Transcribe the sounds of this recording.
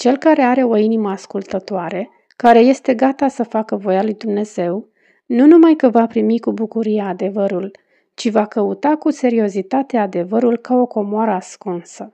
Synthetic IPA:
t͡ʃe̞lkaɾe̞aɾe̞o̞iniməaskult̪ət̪oaɾe̞ | kaɾe̞je̞st̪e̞ɡat̪asəfakəvo̞jalujd̪umne̞z̥e̞w | nunumajkəvapɾimikubukuɾijead̪e̞vəɾul | t͡ʃivakəut̪akuse̞ɾio̞zit̪at̪ead̪e̞vəɾulkao̞ko̞moaɾəaskunsə

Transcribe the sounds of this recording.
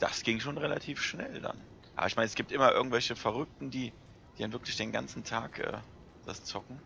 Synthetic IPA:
d̥a̰sɡ̥ɪŋʃoːnʁelatʰiːfʃnɛ̰lda̰n | ʔʔa̰ːbɐɪçmaɪnɛsɡ̥iːp̚tʔɪmɐʔɪ̰ɐɡŋ̩tvɛlçəfaʁ̞ʏk̚tn̩diː | d̥iːdanvɪɐklɪçd̥eːnɡa̰nt͡sn̩tʰaːkʔɛ̰ː | d̥ast͡sɔkŋ̩

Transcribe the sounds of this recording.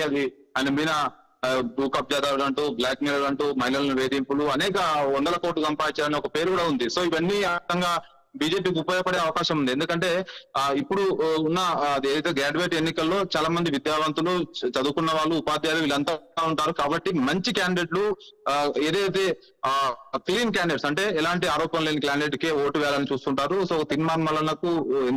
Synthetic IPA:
ɐd̪iɐnibinɐ | buːkɐp̚d͡ʒaːd̪aːɐlɐɳʈuːblaːkmilɐlɐɳʈuːmɐɦilɐlɐniʋeːd̪impuluɐnɛːkɐɔɳɖ̪ɐlɐkoːʈlusɐmpaːiɲt͡ʃaːɾɐniɔkɐpe̞ːɾukuːɽaːund̪iso̞ːiʋɐnːiɐt̪ɐŋɡaː | biːd͡ʒe̞ːp̬iːk̬iupoːjɐpɐɽeːɐʋɐkaːʃɐmund̪ie̞nd̪ukɐɳʈe̞ːipːuɽuunːɐɐd̪ieːd̪ɐjt̪eːɡaːɖʋeːʈenːikɐlːo̞ːt͡ʃaːlaːmɐnd̪iʋid̪jaːʋɐnt̪ulut͡ʃɐd̪ukunːɐʋaːɭːuːpaːd̪jaːluʋiːlɐnt̪ɐɽaːuɳʈaːɾukaːbɐʈːimɐɲt͡ʃikjaːɳɖeʈlu | e̞ːd̪ɐjt̪e̞ː | kliːnk̬jaːɳɖeʈsɐɳʈe̞ːɛlaːɳʈiaːɾɔːpɐnleːniklaːɳɖeʈkeːoːʈuʋɛːalɐnit͡ʃuːst̪uɳʈaːɾusoːɔkɐt̪inmaːɾmɐlɐnɐkːue

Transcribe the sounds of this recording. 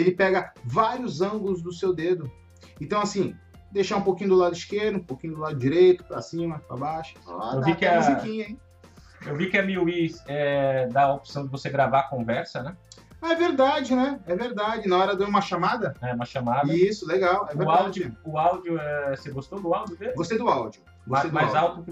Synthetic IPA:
elɪpɛɡɐvaɾiʊzɐ̃ɡʊlʊzd̪ʊsewd̪ed̪ʊ | ẽt̪ɐ̃w̃asĩ | d̪ejʃaɾũpokĩɲʊd̪ʊlad̪ʊiskeɾd̪ʊũpokĩɲʊd̪ʊlad̪ʊd͡ʒiɾejt̪ʊ̥pɾɐsĩmɐpɾa̰baʃʊ̥o̰a̰ewvikɪɐ̃muzikĩɲɐĩ | ewvikɪɐmiuizɛd̪aopi̥sɐ̃w̃d͡ʒ̪ɪvoseɡɾavakõvɛɾsɐnɛ | aɛveɾd̪ad͡ʒɪnɛɛveɾd̪ad͡ʒɪnɐ̃w̃ɛɾɐd̪ɐ̃ũmɐʃamad̪ɐɛũmɐʃɐmad̪ɐisʊleɡawɛvveɾawad͡ʒɪʊawd͡ʒʊɛseɡost̪od̪ʊawd͡ʒʊd̪elɡost̪ejd̪ʊawd͡ʒʊ | ɡosejd̪ajzawt̪ʊkɪ

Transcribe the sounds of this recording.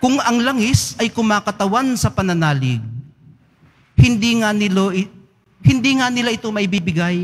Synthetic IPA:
kʊŋɐŋlaŋɪsɐjkʊmaːkɐt̪ɐwansɐpɐnɐnaːlɪɡ̚ | hɪnd̪iŋanɪloʔɪ | hɪnd̪iŋanɪlaʔɪt̪o̞mɐʔɪbiːbɪɡaj

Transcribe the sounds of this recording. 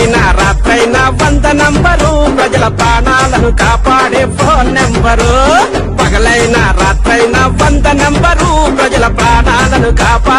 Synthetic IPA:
nɐɾaːt̪ɾɐjnɐʋɐnt̪ɐnembɐɾupɾɐd͡ʒɐlɐpɾaːɳaːlɐnukaːpaːɽebɾoːnembɐɾu | pɐɡɐlɐjnɐɾaːt̪ɾɐjnɐʋɐnd̪ɐmembɐɾupɾɐd͡ʒɐlɐpɾaːɳaːlɐnukaːpaː

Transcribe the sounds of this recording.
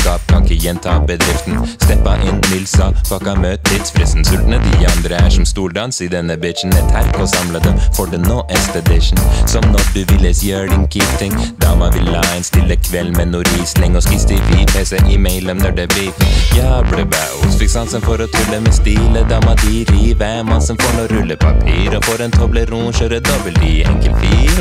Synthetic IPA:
ɡɑːp̚kʰɑŋkəjɛnt̪ʰɑːbəd̪ɾɪft̪nst̪ɛpːɑʔɪnmɪlsɑpʰɑkɑmøːt̪ʰːɪd̪sfɾɛst̪n̩sʉlt̪ənəd̪ɪɑnd̪ɾəæʂɔmst̪uːlɖɑnsɪd̪ɛnːəbɪʃn̩ɛt̪ʰæɾkɔsɑmləd̪ɛmfɔɖənoːʔɛst̪əd̪ɪʂn̩sɔmnɔɾɖʉʋɪlːəsjøːɖɪnkʰiːp̚t̪ɪŋd̪ɑmɑʋɪlːɑɪnst̪ɪlːəkʰʋɛlmɛnuːɾiːslɪŋɔskɪst̪ɪfipʰɛːsɛʔɪmɛɪlɔmnɔɖɛbɪfjɑːblɛbɑuːsfɪksɑnsənfɔɾɔt̪ʰʉlːəmɛst̪iːləd̪ɑːmɑd̪iɾiʋæmɑnsəmfoːɳɔɾʉlːəpʰɑ̰pʰiːɾɔfoːɾɛnt̪ʰɔbləɾuːnʃøːɾəd̪ɔbəlt̪ɪɛ̰ŋkəlfiːɾ

